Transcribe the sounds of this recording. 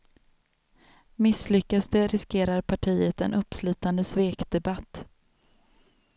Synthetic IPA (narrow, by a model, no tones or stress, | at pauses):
mɪsːlʏkːasd̪əɾɪskeːɾaɾpʰaʈʰiːət̪ɛ̰nʔɵpːsly̟ːt̪and̪əsveːkd̪ɛbat̪ː